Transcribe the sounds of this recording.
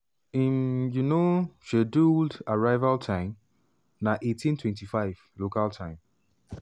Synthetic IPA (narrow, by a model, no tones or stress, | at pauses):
ĩnjunoʃeduldaɹaɪvaltʰãɪ̃m | naʔetʰĩntʰwɛ̃ntifaɪv̥lokaltʰãɪ̃m